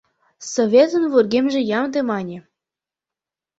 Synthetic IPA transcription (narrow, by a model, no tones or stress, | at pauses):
sovʲet̪ə̆nvurɡemʒĕjɑmd̪emɑnʲe